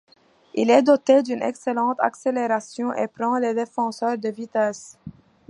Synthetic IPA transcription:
ḭlɛd̪ɔt̪ed̪ynɛ̰kselɑ̃t̪a̰kseleʁasjɔ̃ʔḛpɾɑ̃led̪efɑ̃sœʁd̪əvit̪ɛs

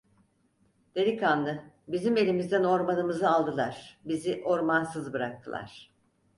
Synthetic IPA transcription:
d̪̥eɾʲikanːɯ | bizime̞lʲimizd̪æno̞ɾmanɯmɯzɯalˠd̪ɯlˠaɾ̥biziʔo̞ɾmansɯzbɯɾak̚t̪ʰɯlˠa̰ɾ̥

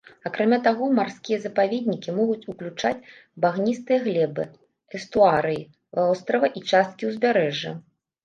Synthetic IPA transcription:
akɾamʲat̪aɣɔmarskʲijɐzɐpavʲed̪̚ʲnʲikʲimɔɣut͡sʲuklʲut͡ʂat͡sʲbaɣnʲist̪ɨjɐɣlʲɛbɨ̰ | ɛst̪uaɾɨji | vaɔst̪ɾɐvɐʔit͡ʂast̪̚kʲiwzʲbʲaɾɛʐːɐ̰

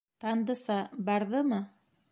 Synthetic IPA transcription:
t̪ɑnd̪ɤ̆sɑbɑɾðɤmɤ

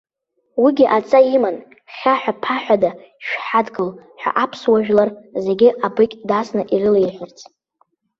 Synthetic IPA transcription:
wiɡʲiʔat͡sʼaiman | χʲaħʷᶣapʰaħʷᶣada | ʃᶣħadɡɨlħʷᶣa̰ʔapʰswaʒᶣlarze̞ɡʲɪabɨkʲʼdasnɨʔirɨlejħʷᶣɪrt͡sʰʼ

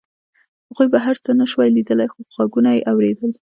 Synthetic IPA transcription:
haɣujbaɦaɾt͡sənaʃwajlid̪əlajxoxaɡunajeʔawɾed̪əl

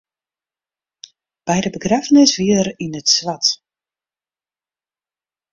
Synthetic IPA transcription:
b̥ɛjdəbəɡrafənɪsʋiəəɾinətswat

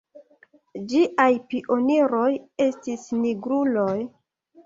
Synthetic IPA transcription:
d͡ʒiʔajpiʔo̞niɾo̞je̞stisniɡɾuloj

